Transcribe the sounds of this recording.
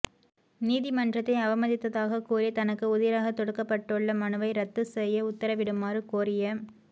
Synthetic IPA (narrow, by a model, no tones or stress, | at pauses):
niːðɪmɐndrɐt̪ːɐɪɐʋɐmɐðɪt̪ːɐðaːɣɐkuːɾɪjɐt̪ɐnɐkːɯʊðɪɾaːɣɐt̪ɔɽɯkːɐpːɐʈːɯɭːɐmɐnɯʋɐɪɾɐt̪ːɯsɛjːɐʊt̪ːɐɾɐʋɪɽɯmːaːrɯkoːɾɪjɐ